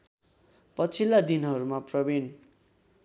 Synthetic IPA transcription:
pʌt͡sʰilːad̪inɦʌɾumaprʌbin

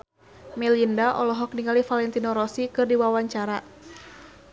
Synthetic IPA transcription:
mɛlindaʔɔlɔɦɔk̚niŋalifalɛnt̪inɔɾɔsikɨrdiwawaɲt͡ʃaɾa

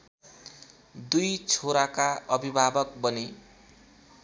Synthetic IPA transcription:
d̪ujt͡sʰoɾakaʔʌbʱibʱabʌk̚bʌni

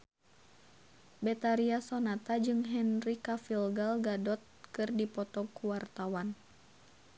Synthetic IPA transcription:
bɛt̪aɾiasɔnat̪ad͡ʒɨŋɦɛnrikafilɡalɡadɔt̪̚kɨrdipɔt̪ɔkuwart̪awan

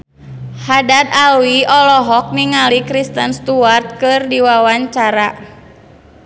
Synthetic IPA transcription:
hadat̪̚alwiʔɔlɔɦɔk̚niŋalikɾist̪ənst̪uart̪̚kɨrdiwawaɲt͡ʃaɾa

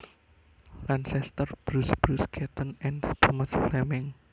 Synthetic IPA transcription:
lansɛst̪ərb̥ɾusb̥ɾuskʰɛt̪ənɛnt̪ʰəməsflɛmɪŋ

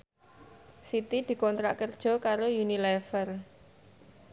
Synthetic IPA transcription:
sit̪id̪̥i̤kɔnt̪ɾa̰ʔkərd̥ʒ̥ɔ̤kaɾojunilɛfər

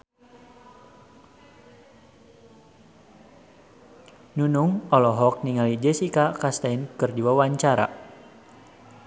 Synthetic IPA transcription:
nunuŋɔlɔɦɔk̚niŋalid͡ʒɛsikakast̪ainkɨrdiwawaɲt͡ʃaɾa̰

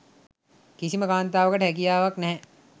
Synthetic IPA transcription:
kisiməkaːnt̪aːʋəkəʈɦɛk̬ijaːʋaknɛɦɛ̃

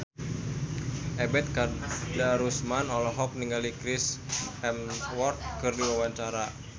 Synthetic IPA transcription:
ʔɛbɛt̪̚kadaɾusmanɔlɔɦɔk̚niŋɡalikɾisɛmwɔrt̪̚kɨrdiwawaɲt͡ʃaɾa

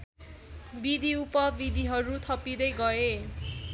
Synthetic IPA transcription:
bid̪ʱiupʌbid̪ʱiɦʌɾut̪ʰʌpid̪ʌjɡʌe

